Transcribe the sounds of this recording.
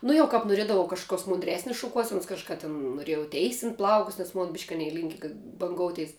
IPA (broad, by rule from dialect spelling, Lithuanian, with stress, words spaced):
ˈnʊ jɛʊ ˈkɐp noːˈrʲiɛdɐʋɐʊ kɐʃkʊˈkʲoːs mʊnʲdʲˈrʲæːsʲnʲɪs ʃʊˈkuɔsʲɛnʊs kɐʃˈkɐ tʲɛn noːˈrʲeːjɛʊ ˈtʲɛɪsʲɪnt ˈplˠɐʊkʊs nʲɛs ˈmoːn bʲɪʃʲkʲ ɐˈnʲɛɪ ˈlʲɪŋʲkʲɪ ɡɐ bɐŋˈɡoːʊtʲɛɪs